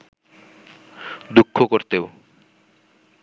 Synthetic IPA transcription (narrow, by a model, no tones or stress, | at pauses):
d̪ukʰːokoɾt̪eo